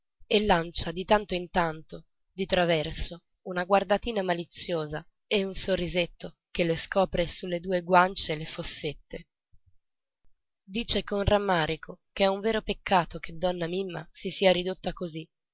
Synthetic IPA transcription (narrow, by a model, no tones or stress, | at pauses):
elːant͡ʃad̪it̪ant̪oint̪ant̪o | d̪it̪ɾavɛrso | unaɡward̪at̪iːnamalit̪sːjoːza | eunsorːizet̪ːo | k̟elːeskɔːpɾesulːed̪uːeɡwant͡ʃelefosːet̪ːe | d̪iːt͡ʃekonramːaːɾikʰokeɛuɱveːɾopekʰːaːt̪oked̪ːɔnːamimːa̰sisiːaɾid̪ot̪ːakozi